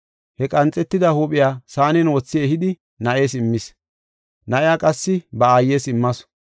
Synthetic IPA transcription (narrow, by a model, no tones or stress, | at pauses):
hɛkʼɐnt͡sʼːɛt̪ːɪd̪ɐhuːpʼɪjaːsaːnɪnwɔt͡sːɪɛhɪd̪ɪ | nɐʔeːsɪmːɪs | nɐʔɪjaːkʼɐsːɪbɐaːjːeːsɪmːɐs